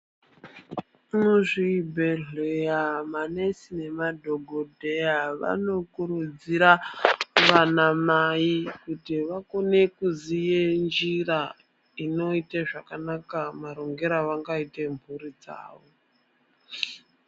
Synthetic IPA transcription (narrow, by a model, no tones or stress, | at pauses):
muʐibʱeɮejamanesine̞madʱo̞ɡʱodʱejaʋa̰no̞kuɾud͡ziɾa | ʋanamaikutiʋako̞ne̞kuzijend͡ʒira | ino̞iteʐakanakamaɾo̞ŋɡe̞ɾaʋaŋɡaite̞mbʱuɾid͡za̰ːʋo̞